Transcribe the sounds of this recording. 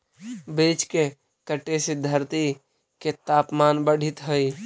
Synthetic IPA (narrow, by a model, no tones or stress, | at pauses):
beːt͡ʃke | kəʈesɪd̪ʱːəɾt̪i | ket̪aːpmaːnbəɽ̤ʱɪt̪ɦəi